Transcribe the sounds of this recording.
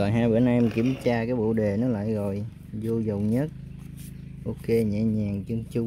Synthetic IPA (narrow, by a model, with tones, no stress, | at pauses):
ɔ˨˩nɦaː˧jɓḛ˧˨˩nʔa˧ʔɛ˧mki˧˩əmt͡ɕaː˧kaː˨˦jɓo̰˧˨ɗe˨˩nɨ˦˥k̚la̰ː˧˨jɣo˨˩j | zo˧zə˨˩wɲə˦˥t̚ | ʔo˧ke˧ɲɛ̰˧˨˩ɲaː˨˩ŋt͡ɕɨ˧əŋt͡ɕu˧